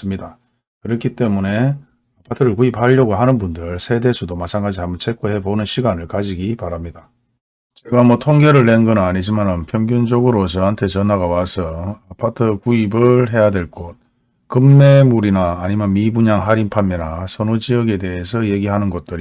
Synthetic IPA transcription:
s͈ɯmɲida | kɯɾʌkʰit͈e̞mune̞ | apʰatʰɯɾɯɭkuip̚haʎːʌɡoɦanɯnbundɯɭsʰe̞de̞sʰudomat͡ɕʰaŋɡad͡ʑihambʌnt͡ɕʰe̞k͈ʰoɦe̞bonɯnɕʰiɡanɯɭkad͡ʑiɡipaɾamɲida | t͡ɕe̞ɡamʌtʰoŋɡeɾɯɭːenɡʌnaɲid͡ʑimanɯnpʰjʌŋɡjund͡ʑʌɡɯɾot͡ɕʌɦantʰe̞t͡ɕʌnaɡawasʰʌapʰatʰɯkuibɯɭɦe̞jadwe̞ɭk͈ot̚ | kɯmːe̞muɾinaːɲimjʌnmibuɲaŋɦaɾinpʰamːenasʰʌnod͡ʑiʌɡe̞de̞esʰʌje̞ɡiɦanɯnɡʌt̚t͈ɯɾi

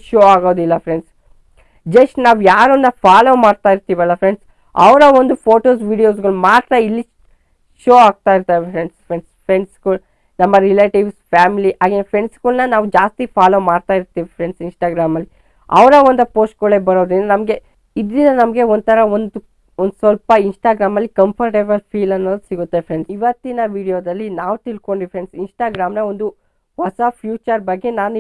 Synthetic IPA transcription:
ʃoːaːɡoːd̪ilːɐfʰɾeɳɖs | d͡ʒɐʂʈnaːʋujaːɾonːɐpʰaːloːmaːɽt̪aːjiɾt̪iːʋɐlːɐpʰɾe̞ɳɖs | ɐ̰ʋɾɐond̪upʰoːʈoːsʋiːɽijo̞ːsɡɐɭmaːɖt̪ɾɐilːi | ʃoːaːɡ̚t̪aːiɾt̪aːʋifɾeɳɖspɾeɳɖspʰɾe̞ɳɖskuːl | nɐmːɐɾileːʈiʋspʰaːmiliʔaːɡenpʰɾeɳɖskulnɐnaːʋud͡ʒaːst̪ipʰaːloːmaːɽt̪aːiɾt̪iːʋipʰɾeɳɖsinsʈaːɡɾaːmɐlːi | ɐ̰ʋɐɾɐʋond̪ɐpo̞ːsʈkoɭebɐɾoːd̪ennɐmɐɡe̞ | id̪ɾinɐnɐmɡe̞ond̪t̪ʰɐɾɐond̪u | ond̪usʋɐlpɐinsʈaːɡɾaːmɐlːikɐmpʰɐɾʈebɐlpʰiːlɐnːoːd̪usiɡut̪ːepɾe̞ɳɖsiʋɐt̪ːinɐʋiːɽijoːd̪ɐlːinaːʋut̪ilko̞ɳɖipʰɾe̞ɳɖsinsʈaːɡɾaːmnɐond̪u | ʋɐsɐpʰjuːt͡ʃɐɾbɐɡːe̞naːnu

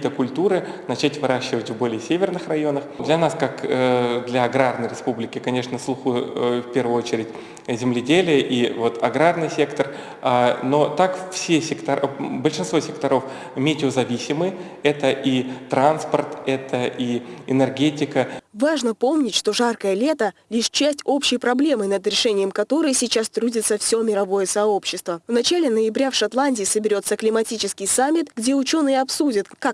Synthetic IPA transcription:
t̪əkʊlʲt̪uɾɨnɐt͡ɕætʲvɨɾʔaɕːɪvətʲvbo̞lʲɪjəsʲevʲɪrnɨxrɐjo̞nəxd̪lʲɐnaskakd̪lʲɐɐɡɾarnəjɾʲɪspublʲɪkʲɪkɐnʲe̞ʂnəslˠuxufpʲe̞rvʊjʊot͡ɕɪɾʲɪtʲ | zʲɪmlʲɪdʲelʲɪjəʔivo̞t̪ɐɡɾarnɨjsʲe̞kt̪ər | ano̞t̪akfsʲesʲɪkt̪ɐbəlʲʂɨnsvo̞sʲɪkt̪ɐɾo̞f | mʲetʲɪozɐvʲisʲɪmɨj | ɛt̪əʔit̪ɾanspərt̪ɛt̪ʰəʔiɪnərɡʲetʲɪkəvaʐnəpo̞mnʲɪtʲʂt̪o̞ʐarkəjəlʲe̞t̪əlʲiʂt͡ɕæsʲtʲo̞pɕːɪjpɾɐblʲe̞mɨnəd̪ɾʲɪʂɛnʲɪjəmkɐt̪o̞ɾɨjəsʲɪt͡ɕast̪ɾudʲɪt̪səfsʲomʲɪɾɐvo̞jəsɐo̞pɕːɪst̪vəvnɐt͡ɕalʲɪnəjɪbɾʲafʂɐt̪lˠanʲdʲɪːsəbʲɪɾʲo̞t̪sːəklʲɪmɐtʲit͡ɕɪskʲɪjsamʲːɪt̪ɡdʲe̞ʊt͡ɕo̞nɨjəɐpsudʲət̪kak

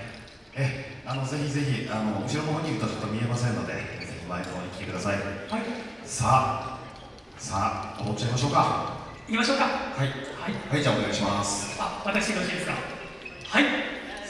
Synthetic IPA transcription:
eano̞ze̞çize̞çiʔano̞moɕiɾonoɦoɲːikɯ̟t̪ot͡ɕot̪ːomʲie̞masẽnːo̞d̪e̞̰et͡ɕot̪ːomaek̪oɾõɲikʲt̪e̞kɯd̪asaihai | sa | saomotːt͡ɕːaimaɕ̬o̞ːka | ikʲimaɕo̞ːkahaihaihaid͡ʑaːoneɡaiɕimasɨ̥aβat̪aksi̥ikaoɕĩd̪esɨɡa̰ | hai

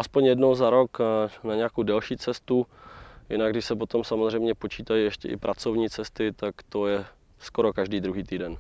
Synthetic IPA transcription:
ʔaspoɲjɛdno̞wzaɾo̞knaɲɛjakowdɛlʃiːt͡sɛst̪ujɪ̰naɡdɪʃsɛpo̞t̪o̞msamozr̝ɛjmɲɛpo̞t͡ʃiːt̪ajiɛʃcɛ̰ʔɪ̰pɾʔat͡so̞vɲiːt͡sɛst̪ɪt̪akt̪o̞jɛ | skoɾo̞kaʒdiːd̪ɾuɦiːt̪iːdɛn

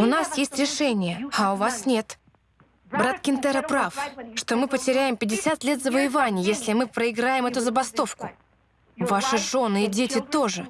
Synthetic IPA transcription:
ʊnasjesʲtʲɾʲɪʂɛnʲɪjəaʊvasnʲe̞t̪ | bɾat̪kʲɪnt̪ɛɾəpɾafʂt̪o̞mɨpətʲɪɾʲæjɪmpʲɪdʲɪsʲat̪lʲe̞t̪zəvəjɪvanʲɪjjesʲlʲɪmɨpɾəɪɡɾajɪmɛt̪ʊzəbɐst̪o̞fkʊ | vaʂɨʐo̞nːɨɪdʲetʲɪt̪o̞ʐɨ

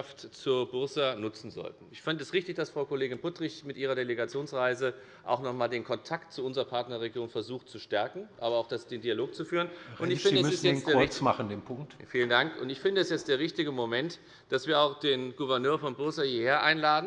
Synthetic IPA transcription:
aftt͡suːɐbʊɐsɐnʊt͡sn̩zɔ̰ltn̩ɪçfɪndəɛsʁɪçtɪçd̥asfʁ̥aʊkoleːɡɪnpʊtʁ̥ɪçmɪtʔiːʁ̞ɐdeleɡat͡sjoːnsʁaɪzə | ʔa̰ʊxnɔχmaːldeːnkʰɔntʰaktt͡suʊnzəʁɐpʰaɐtnɐʁeɡjoːnfɛɐzuːxtt͡suʃtɛɐkŋ̩ʔaːbɐaʊxd̥asd̥eːndiːaloːk̚t͡sufyːʁənʔʊnnɪçɪndəmɪsjɛt͡snkeːʊt͡smaχn̩deːmpʰʊŋk̚tfiːləndaŋkʊntɪçfɪndəɛsjɛt͡std̥eːɐʁ̞ɪçtɪɡəmomɛnt | d̥asv̥iːɐaʊxd̥eːnɡ̥uvɛɐnøːɐfɔnbʊɐsɐhiːheːɐʔaɪnlaːdn̩

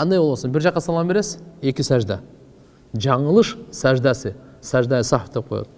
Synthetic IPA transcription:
qɑnd̪ɑjwolˠɑsənbɪɾʒɑqːɑsɑlˠʁɑbeɾesɪekʲɪsæʒd̪ɑ̰ | ʒɑɴəlˠəʃsæʒd̪ɑsəsæʒd̪ɑjəsɑft̪ʰːep̚qʰojɑ̰d̪

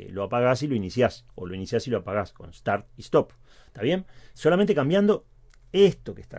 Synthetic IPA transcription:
lo̞apaɣasilo̞inisjaso̞̰lo̞inisjasilo̞apaɣasko̞̰nst̪aɾt̪̚ist̪op | t̪aβje̞nso̞lament̪ekambjand̪o̞ | est̪okest̪a̰

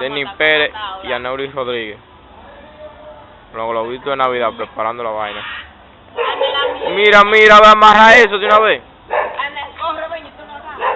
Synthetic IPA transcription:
d̪enipeɾeianewɾisroðɾiɣe | loŋɣoloβit̪oenaβiðapɾepaɾand̪olaβajna | miɾamiɾaβeamaraes̬oðjunaβe

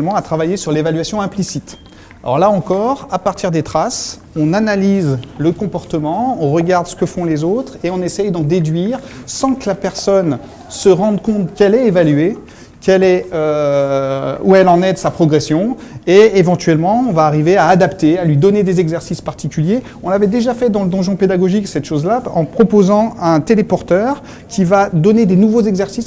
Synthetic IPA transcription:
lmɑ̃at̪χavajesyʁlevalɥasjɔ̃ɛ̃plisit̪ | aɔ̰ʁlaɑ̃kɔʁapaʁt̪ʰiʁd̪et̪χas | ɔ̃nanalizləkɔ̃pɔʁt̪əmɑ̃ɔ̃ʁəɡaʁd̪sə̥kəfɔ̃lezot̪χeɔ̃nesɛjd̪ɑ̃d̪ed̪ɥiːʁsɑ̃kəlapɛʁsɔn | səʁɑ̃d̪kɔ̃t̪kɛlɛevalɥe | kɛlɛø | ṵɛlɑ̃nɛd̪əsapχɔɡʁɛsjɔ̃ | eevɑ̃t̪ɥɛlmɑ̃ɔ̃vaːʁiveaːd̪apt̪ealɥid̪ɔned̪ezɛɡzɛʁsispaʁt̪ikʲylje | ɔ̃lavɛd̪eʒafɛd̪ɑ̃ləd̪ɑ̃ʒɔ̃ped̪aɡɔʒiksɛt̪ʃozlaɑ̃pχɔpozɑ̃ɛ̃t̪elepɔʁt̪œʁ | kʲʰivad̪ɔned̪enuvozɛɡzɛʁsis

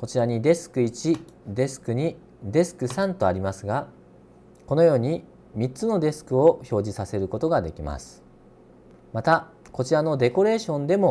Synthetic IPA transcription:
ko̞t͡ɕiɾaɲ̟id̪e̞sɨ̥kɯ̟it͡ɕi | d̪e̞sɨ̥kɯ̟ɲ̟i | d̪e̞sɨ̥kɯ̟sãnt̪o̞aɾʲimasɨɡa | ko̞no̞jo̞ːɲ̟i | mʲit͡sɨno̞d̪e̞sɨ̥kɯ̟o̞ço̞ːʑisase̞ɾɯ̟ko̞t̪o̞ɡad̪e̞kʲima̰sɨ̥ | mat̪a | ko̞t͡ɕiɾano̞d̪e̞ko̞ɾe̞ːɕõ̞nd̪e̞mo̞

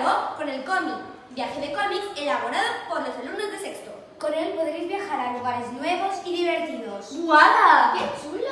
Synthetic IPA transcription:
ɣoko̞ne̞lkomik | bjaxeðe̞komikelaβ̞o̞ɾaðokonlosalumnazðesekst̪o | ko̞ne̞lpo̞ðɾejzβjaxaɾaluɣ̞aɾeznwe̞βo̞siðiβ̞e̞ɾt̪iðosbwaðaket͡ʃul

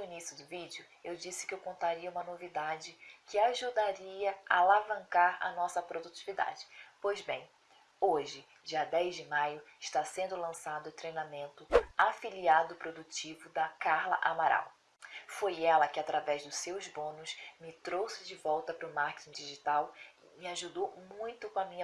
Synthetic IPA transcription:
nʊinisiʊd̪ʊvid͡ʒʊ | ewd͡ʒisɪ̥kɪewkõnt̪aɾiɐũmɐnovid̪ad͡ʒɪkɪaʒud̪aɾiɐa̰alavɐ̃ŋkaɾɐ̰nɔsɐpɾod̪ut͡ʃivid̪a̰d͡ʒɪpojzbẽj̃ | oʒɪ | d͡ʒiɐd̪ɛjzd͡ʒɪmajʊɪʃt̪asẽnd̪ʊlɐ̃sad̪ʊʊt̪ɾejnamẽnt̪ʊafiliad̪ʊpɾod̪ut͡ʃivʊd̪ɐkaɾlɐ̰ʔamaɾa̰w | fojɛlɐkɪat̪ɾavɛzd̪ʊsewzbõnʊsmɪt̪ɾowsɪd͡ʒɪvɔwt̪ɐpɾʊmaɾke̥t͡ʃ̪ĩd͡ʒiʒit̪awɪmɪaʒud̪owmũj̃t̪ʊkõɐmĩɲɐ

